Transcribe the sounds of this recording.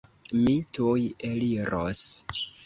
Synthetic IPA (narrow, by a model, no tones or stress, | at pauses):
mitujeliɾo̰s